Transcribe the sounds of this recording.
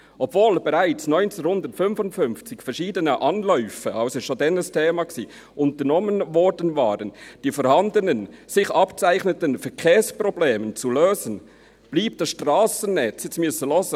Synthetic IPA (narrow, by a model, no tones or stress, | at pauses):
ʔɔbvoːlbɛɾaɪt͡snɔʏnt͡sɛnhʊndətfʏnfʊntfʏnft͡sɪçfɛɐɾʃiːdənəʔɑnlœʏfəʔɑʊsoʃodɛnəstʰeːmɑksiː | ʔʊntənɔmənvɔɾdənvaːɾənd̥iːfɔːɾhɑndənənsɪçʔɑpt͡saɪçnətənfɛkʰeːspʁobleːmənt͡suløːzən | b̥liːp̚t̚d̥ɑsʃtʁɑːsənnɛt͡sjɛsmʏsəlɔzə